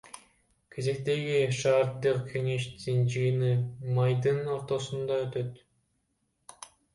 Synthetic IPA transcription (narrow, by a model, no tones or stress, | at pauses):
kʲʰe̞ze̞k̚t̪e̞ɡiʃɑːɾd̪ɯqkʲʰe̞ŋe̞ʃd̪ind͡ʒiɣnimɑjd̪ɯno̞ɾt̪o̞sund̪ɑøt̪øt̪